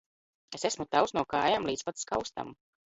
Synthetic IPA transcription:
esesmut̪awsnuɔkaːjamlˠiːt̪spat̪skawst̪a̰m

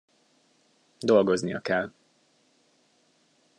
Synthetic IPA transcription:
d̪o̞lɡo̞znijɒ̰kɛl

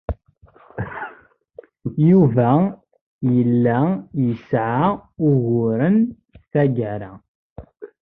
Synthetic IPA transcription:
juvæ | jəlːæjəsʕaʊʝʊɾən | θæɡəɾæ

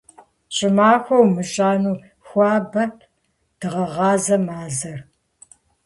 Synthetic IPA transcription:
ɕʼɪmaːxʷɐwmɨɕʼaːnuː | xʷɑːbɐ | d̥ɨʁɐʁɑːzɐmaːzɐr

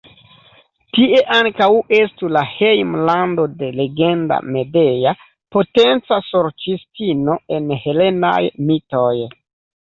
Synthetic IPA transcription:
tiʔe̞ʔaŋkawe̞stulahe̞jmlando̞de̞le̞ɡe̞nda̰me̞de̞ja | po̞te̞nt͡sasoɾt͡ʃistino̞e̞nhe̞le̞na̰jmito̞j

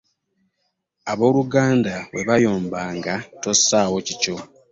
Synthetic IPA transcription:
aβo̞ːluɡaːndawe̞βajo̞ːmbaːŋɡato̞sːaːwo̞cico̞

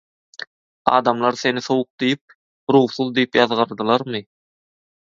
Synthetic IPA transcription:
ɑ̰ːd̪ɑmlˠɑɾθe̞niθowʊq̚d̪ijip̚ | ɾuːχθuðˠd̪ijipjɑðʁɑɾd̪ɯlˠɑɾmɨ

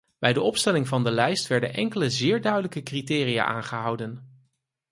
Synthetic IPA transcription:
b̥ɛjdəɔpstɛlɪŋvɑndəlɛjstʋɛɹdə̰nʔɛŋkələzɪːɹdœɥdələkəkritɪːrija̰ːʔa̰ːnχəɦʌwdən

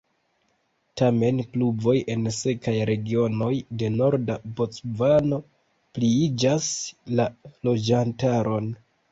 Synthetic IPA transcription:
tame̞nklubo̞je̞nse̞kajɾe̞ɡio̞no̞jde̞no̞ɾdabo̞t͡svano̞ | pliid͡ʒaslalo̞d͡ʒantaɾʔo̞n

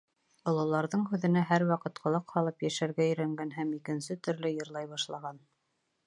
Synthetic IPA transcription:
ŏlˠɤ̆lˠɑɾðɤɴɦʉðɘ̆næɦæɾwɑqɤt̪qʰɤ̆lˠɤqhɑlˠɤpjæʃæɾɡæɵ̆jɾæŋɡænɦæmikɘ̆nsɘt̪ɵ̆ɾlɘjɤ̆ɾlˠɑjβɑʃlˠɑʁɑn

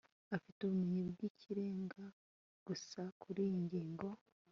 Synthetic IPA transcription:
afituβumiɲibɡicʰiɾeːŋɡa | ɡ̥usakʰuɾijiɲɟiːŋɡo̞

